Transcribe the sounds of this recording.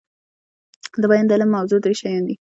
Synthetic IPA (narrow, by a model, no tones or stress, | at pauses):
d̪əbajɑnd̪əalamːawzod̪ɾeʃajɑnd̪i